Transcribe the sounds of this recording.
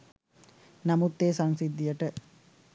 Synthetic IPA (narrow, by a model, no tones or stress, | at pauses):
nɐmut̪ːeːsɐŋsid̪ːijəʈə